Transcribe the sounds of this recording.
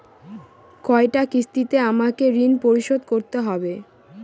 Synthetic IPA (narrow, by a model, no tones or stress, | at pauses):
kɔeʈakist̪it̪eamakeɾinpoɾiʃod̪koɾt̪eɦɔbe